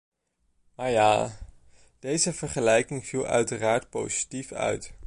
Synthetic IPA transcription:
maːɹjaː | d̥ejzəvəɹχəlɛjkɪŋv̥ilˠœ̰ɥtəraːɹtpo̰wzitifœ̰ɥt

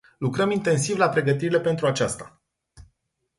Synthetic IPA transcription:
lukɾəmint̪e̞nsivlapɾe̞ɡət̪̬iɾile̞pe̞nt̪ɾuat͡ʃast̪a

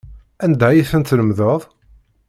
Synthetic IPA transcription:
ænd̪æjiθənt̪ləmðəðˤ

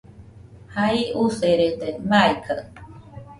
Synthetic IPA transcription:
haiuseɾet̪emaekʰa̰

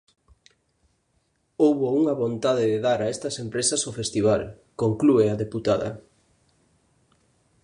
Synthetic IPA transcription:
owβouŋɐβont̪aðɪðeðaɾaest̪ɐsempɾesɐsofest̪iβ̞al | koŋklueɐðeput̪aðɐ̰

